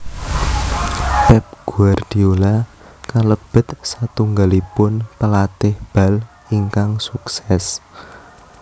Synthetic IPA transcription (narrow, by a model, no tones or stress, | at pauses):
pɛp̚ɡ̥ṳard̪̥iola | kaləb̥ə̤t̪̚sat̪uŋɡalipʊnpəlat̪ɪhb̥a̤l | iŋkaŋsuksɛs